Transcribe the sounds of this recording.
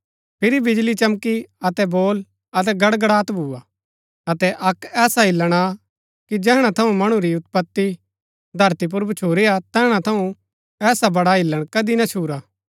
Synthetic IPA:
pʰɪɾibɪd͡ʒlit͡ʃɐmkiɐt̪ɛboːl | ɐt̪̬ɛɡɐɽɡɐɽaːt̪bʱuːaː | ɐt̪ɛʔɐkɛːsaɪlːəɽ̃a | kid͡ʒɛːɦɽ̃at̪ʰɐũmɐɽ̃ũɾiʊt̪pət̪ːi | d̪ʱɐɾt̪ip̬ʊɾbɐt͡ʃʰoːɾiat̪ɛːɦɽ̃at̪ʰɐũ | ɛːsabɐɽaɦɪlːəɽ̃kɐd̪inat͡ʃʰuːɾaː

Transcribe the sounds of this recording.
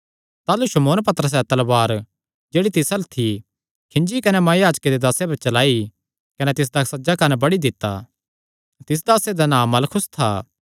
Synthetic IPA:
t̪aːluʃɐmoːnpɐt̪əɾəs̬ɛt̪ɐlbaːɾ | d͡ʒeːɽit̪ɪsɐlt̪ʰi | kʰɪ̃nd͡ʒikɐnɛmɐːjjaːd͡ʒked̪ed̪aːsepɐɾt͡ʃɐlaːi | kɐnɛt̪ɪs̬d̪ɐsɐd͡ʒakɐnɛbɐɽid̪ɪt̪ːa̰ | t̪ɪs̬d̪aːsed̪anãːmːɐlkʰʊst̪ʰaː

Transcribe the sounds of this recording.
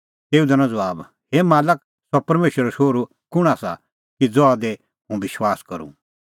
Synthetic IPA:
t̪eːud̪ɐnãd͡zɐaːb | hemaːlək̚ | sɔpɐɾmeːʃəɾɔʃoːɾu | kʊɽ̃asa̰ | kid͡zɔad̪ɛ | ɦũbɪʃwaːskɐɾṵ̃

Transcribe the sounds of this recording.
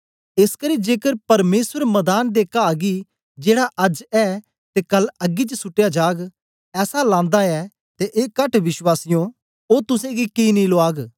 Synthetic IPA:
ɪskɐɾiːd͡ʒeːkəɾpɐɾmeːswəɾmɐd̪aːnd̪eːkaːɡi | d͡ʒeːɽaʔɐd͡ʒɛː | t̪ekɐlɐɡit͡ʃəsʊʈːejad͡ʒaːɡ | ɛːsalãːnd̪aɛː | t̪eʔeːkɐʈʋɪʃwaːsɪjõ | oːt̪ʊsẽɡikiːnĩloaːɡ

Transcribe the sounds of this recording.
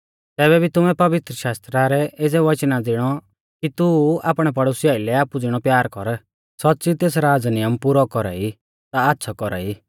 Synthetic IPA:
t̪ɛːbɛbʱit̪ʊmɛpɐʋɪt̪ɾəʃaːst̪ɾaɾɛed͡zɛʋɐt͡ʃnad͡zɪɽ̃ɔ | kit̪ua̰ːpɽ̃ɛp̬ɐɽoːsɪjaːilɛaːpud͡zɪɽ̃ɔpjaːɾkɔɾ | sɔt̪̚ːt͡sit̪eːsɾaːd͡znɪjəmpuɾɔkɔɾa̰i | t̪aːtːʃʰɔkɔɾa̰i

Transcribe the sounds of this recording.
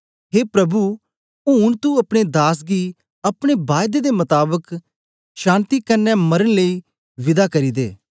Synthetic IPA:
ɦeːpɾɐbu | unt̪uɐpɽ̃ed̪aːs̬ɡiː | ɐpɽ̃ebaːjd̪ed̪emɐt̪aːbək | ʃãːnt̪ikənːɛmɐɾəɽ̃ləiː | ʋɪd̪akɐɾiːd̪ḛː

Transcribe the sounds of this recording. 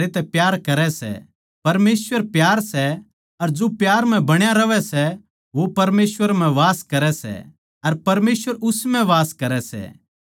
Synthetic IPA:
et̪ɛpjaːɾkɐɾɛsɛ̰ | pɐɾmeːsʋəɾpjaːɾsɛ | ɐɾd͡ʒopjaːɾm̤ɛ̃bɐɽ̃jaɾɐʋɛsɛ | ʋopɐɾmeːsʋəɾm̤ɛ̃ʋaːskɐɾɛsɛ̰ | ɐɾpɐɾmeːsʋəɾʊsmɛ̃ʋaːskɐɾɛsɛ̰

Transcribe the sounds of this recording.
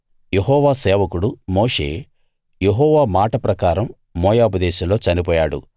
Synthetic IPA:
jeɦɔːʋaːsɛːʋɐkuɽumoːʂe̞ː | jeɦɔːʋaːmaːʈɐpɾɐkaːɾɐmː | ɔːjaːupɐd̪ɛːʃɐmlo̞ːt͡ʃɐnipɔːjaːɽṵ

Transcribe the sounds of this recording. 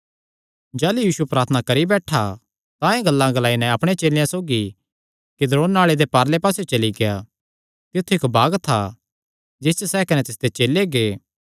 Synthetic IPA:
d͡ʒɛːlujiːsupɾaːɾt̪ʰnakɐɾibɛːʈʰa | t̪ãẽɡɐlːãɡɐlaːinɛ̃ɐpɽ̃et͡ʃeːlɪjãsoːɡi | kɪd̪ɾoːnːaːɭed̪epaːɾlepaːsjot͡ʃɐliɡeja̰ | t̪ɪt̪ʰːuɪkbaːɡt̪ʰːa̰ | d͡ʒɪst͡ʃsɛkɐnɛt̪ɪsd̪et͡ʃeːlːeɡeː

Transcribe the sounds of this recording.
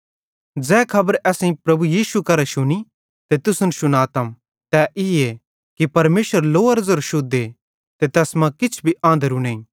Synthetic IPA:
d͡zɛːkʰɐbəɾɛːsẽĩpɾɐbujiːʃukɐɾɛʃʊni | t̪et̪ʊsʊnʃʊnaːt̪əm | t̪ɛʔɪe | kipɐɾmeːʃəɾloːɐɾzəɾʃʊd̪ːe | t̪et̪ɛːsmãkɪt͡ʃʰbʱiʔãːnd̪əɾunẽĩ

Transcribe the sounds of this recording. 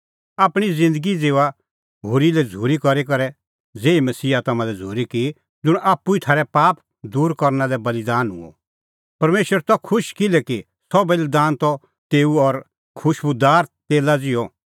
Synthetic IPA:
aːpɽ̃izɪ̃nd̪əɡid͡zeːʋa | ɦoːɾilɛd͡zʱuːɾikɔɾik̬ɐɾɛ | d͡zeːimɐsiːat̪ɐmãlɛd͡zʱuːɾiki | d͡zʊɽ̃aːpːuit̪ʰaːɾɛpaːp̚ | d̪uːɾkɔɾnalɛbɐlid̪aːnɦʊ̰̃ɔ̰ | pɐɾmeːʃwəɾt̪ɔkʰʊʃkɪlɛki | sɔbeld̪aːnt̪ɔ | t̪eːuɔɾ | kʰʊʃbʊd̪aːɾt̪eːlad͡zɪjɔ

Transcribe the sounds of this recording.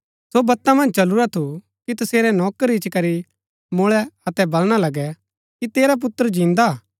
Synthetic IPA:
sobɐt̪ːamɐ̃nd͡ʒt͡ʃɐluɾat̪ʰu | kit̪ɐseːɾɛnɔːkəɾit͡ʃkɐɾi | mʊɭɛɐt̪ɛbɐlɽ̃alɐɡɛ | kit̪eːɾap̬ʊt̪ːəɾd͡ʒĩːnd̪a

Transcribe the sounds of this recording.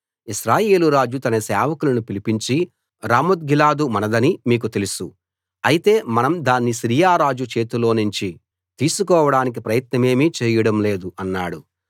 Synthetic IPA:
iʃɾaːje̞ːluɾaːd͡ʒut̪ɐnɐsɛːʋɐkulɐnupilipiɲt͡ʃi | ɾaːmud̪̚ɡilaːd̪umɐnɐd̪ɐnimiːk̬ut̪e̞lusu | ɐjit̪e̞ːmɐnɐmd̪aːnːiʃɾiːjaːɾaːd͡ʒut͡ʃe̞ːt̪ulo̞ːnuɲt͡ʃi | t̪iːsukɔːʋɐɽaːnik̬ipɾɐjɐt̪nɐme̞ːmit͡ʃɛːjɐɽɐmle̞ːd̪uʔɐnːaːɽu

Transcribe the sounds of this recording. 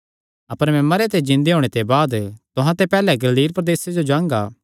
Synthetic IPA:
ɐpəɾmɛ̃mɐɾet̪̬ed͡ʒɪ̃nd̪eɦoːɽ̃et̪ebaːd̪t̪ʊɦãt̪epɛːlɛɡɐliːɾpɾɐd̪eːsed͡ʒod͡ʒãːŋɡaː

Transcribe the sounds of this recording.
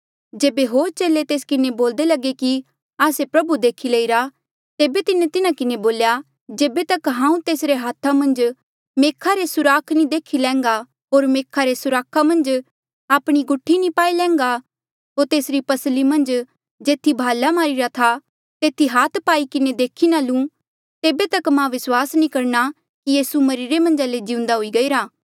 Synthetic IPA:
d͡ʒeːbeɦoːɾt͡ʃeːlet̪eːskɪneboːld̪elɐɡeki | aːsepɾɐbud̪eːkʰileːiɾa | t̪eːbet̪ɪnet̪ɪnãkɪneboːlja | d͡ʒeːbet̪ɐkɦãːũt̪eːsɾeɦaːt̪ʰːamɐ̃nd͡ʒ | meːkʰaɾesʊɾaːkʰnĩd̪eːkʰilɛ̃ːŋɡa | ɦoːɾmeːkʰaɾesʊɾaːkʰamɐ̃nd͡ʒ | aːpɽ̃iɡʊʈʰːinĩpaːilɛ̃ːŋɡa | ɦoːɾt̪eːsɾipɐslimɐ̃nd͡ʒ | d͡ʒeːt̪ʰibʱaːlamaːɾiɾat̪ʰa | t̪eːt̪ʰiɦaːt̪ʰpaːikɪned̪eːkʰinalũː | t̪eːbet̪ɐkmãʋɪswaːsnĩkɐɾna | kijiːsumɐɾiɾemɐ̃nd͡ʒaːled͡ʒiːʊ̃nd̪aɦoiɡɐiːɾaː

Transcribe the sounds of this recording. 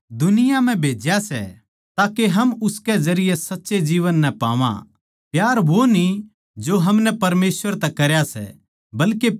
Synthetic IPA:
d̪ʊnɪjam̤ɛ̃bʱeːd͡ʒjasɛ̰ | t̪aːkeɦɐmʊskɛzɐɾɪjɛsɐtːʃed͡ʒiːʋənːɛpa̰ːʋã̰ | pjaːɾʋoni | d͡ʒoɦɐmnɛpɐɾmeːsʋəɾt̪ɛkɐɾjasɛ̰ | bɐlke

